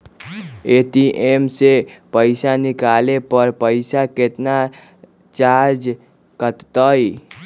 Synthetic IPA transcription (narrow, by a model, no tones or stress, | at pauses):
eʈ̪iʔemsepəɪsanikalepəɾpəɪsaket̪na | t͡ʃaɾd͡ʒ | kət̪t̪əj